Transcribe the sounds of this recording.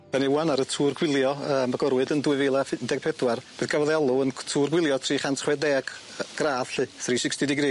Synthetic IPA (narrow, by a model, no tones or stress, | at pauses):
d̥ɛniwanaɾətʰuːrɡwɪlˠjɔəːmaɡɔɾwɨdəndwɨvelˠafdɛɡ̥̚pʰɛdwarb̥ɨðɡ̥ʰavɔðɛlˠuəntʰuːrɡwɪlˠjɔtʰriːχantʰχwɛdɛːɡ̥ | ɡ̥raːð̥ɬɨθriːsɪkstɪdɪɡɾiː